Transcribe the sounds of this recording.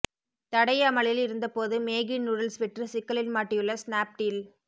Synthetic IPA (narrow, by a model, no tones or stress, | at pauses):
t̪ɐɽɐjɐːmɐɭɪlɪɾɯnd̪ɐpoːðɯmeːɣɪnʊɾɐlsʋɛʈrɯsɪkːɐɭɪlmaːʈːɪjɯɭːɐsnaːp̚ʈil